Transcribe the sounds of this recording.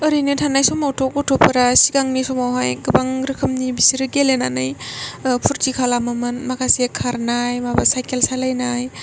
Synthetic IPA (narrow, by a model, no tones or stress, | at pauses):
əɾinitʰanajsɔmawtʰɔkutʰɔpʰɐɾasiɡaŋnisɔmawɦajɡɯbaŋɾɯkʰɯmnibisiɾɯɡelenanɯjpʰuɾtikʰalamamɯnmakʰasiekʰaɾnajmabasajkelsalajnaj